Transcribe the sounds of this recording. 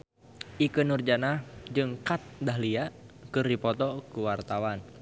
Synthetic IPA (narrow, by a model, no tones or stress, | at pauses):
ʔikɨnurd͡ʒanahd͡ʒɨŋkat̪̚daɦliakɨrdipɔt̪ɔkuwart̪awan